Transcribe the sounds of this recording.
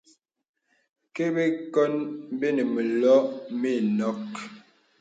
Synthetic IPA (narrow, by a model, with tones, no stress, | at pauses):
ke˦be˦kɔ˦nm˦be˦ne˨mi˨lɔ˦mi˦˨nɔ˦k